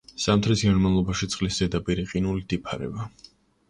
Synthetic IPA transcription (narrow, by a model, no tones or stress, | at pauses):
samt̪ʰɾisɡanmavlˠɔbaʃit̪sʼqʼlisz̥ɛd̪apʼiɾiqʼinulid̪̥ipʰaɾɛ̰ba